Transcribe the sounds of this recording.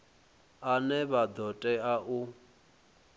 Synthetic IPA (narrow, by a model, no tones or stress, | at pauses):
anɛβad̪ɔtʼɛaʔu